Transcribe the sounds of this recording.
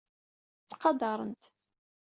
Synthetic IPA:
t͡sːqɑd̪ɑɾˤənt̪

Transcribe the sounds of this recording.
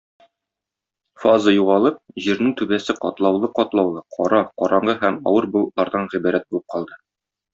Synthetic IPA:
fɑzɤjuʁɑlˠɤp̚ʑiɾnɘŋt̪ʉbæsɘqɒt̪lˠɑwlˠɤqɒt̪lˠɑwlˠɤqʰɒɾɑqɒɾɑɴɢɤɦæmɒ̰wɤɾbŏlˠɤt̪lˠɑɾd̪ɑnʁibæɾæt̪̚bulˠɤp̚qɒlˠd̪ɤ

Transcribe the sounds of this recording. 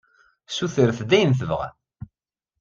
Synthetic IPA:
suθəɾθd̪æjənθəvʁa̰

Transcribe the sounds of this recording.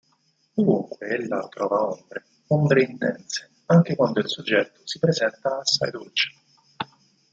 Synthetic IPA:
d̪ovuŋkweelːa̰t̪ɾɔːvaombɾe | ombɾeint̪ɛ̰nt̪se̥ | aŋk̟ekwand̪oilsod͡ʒːɛt̪ːo̥sipɾezɛnt̪aːsːa̰jd̪olt͡ʃe̥

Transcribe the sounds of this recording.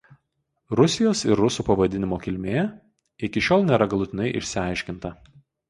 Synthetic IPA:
ɾʊsʲɪjoːsɪɾːʊsuːpɐʋɐd̪ʲɪnʲɪmoːkʲɪlʲmʲeː | ɪkʲɪʃʲoːlˠnʲeːɾɐɡɐlˠʊt̪ʲɪnɐɪʔɪ̰ʃʲsʲɪɐɪʃʲkʲɪnt̪ɐ

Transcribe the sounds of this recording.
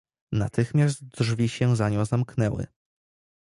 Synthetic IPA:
nat̪ɘxmʲjast̪̚dʐvʲiɕɛzaɲɔ̃w̃zamknɛwɘ̰

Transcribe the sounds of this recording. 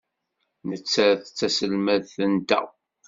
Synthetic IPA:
nət͡sːæθt͡sːæsəlmæðθənt̪æ̰

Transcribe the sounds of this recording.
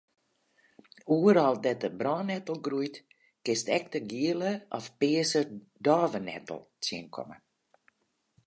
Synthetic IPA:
uːəɾɔlˠdɛt̚əbrɑːnɛtəl̩ˠɡrujt | kɪstɛk̚təɡiələʔɔfpɪːəsə | dɑːvənɛ̰tə̰l̩ˠtjiənkʰɔ̰mə

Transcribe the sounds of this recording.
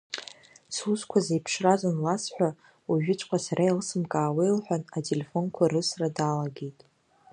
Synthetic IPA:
suskʷʰazejpʰʂrazanlasħʷᶣa | uʒᶣɪt͡ʃʷʰʼkʷʰʼasarʔailɨsɨmkʼaːwejlħʷᶣanatʼelefo̞nkʷʰarɨsradaːlaɡejtʼ

